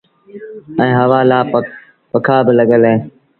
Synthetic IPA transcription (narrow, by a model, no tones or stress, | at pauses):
ɛ̃ːɦəʋaːlaː | pəkʰaːbɪləɠəlɦẽː